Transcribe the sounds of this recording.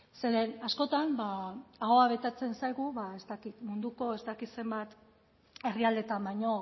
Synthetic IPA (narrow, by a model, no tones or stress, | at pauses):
se̞ɾe̞nasko̞t̪ambaaɣo̞aβ̞e̞t̪et͡se̞nsajɣuβae̞st̪akit̪mund̪uko̞e̞zt̪akit̪se̞mbat̪ | e̞riald̪e̞t̪ambajɲo̞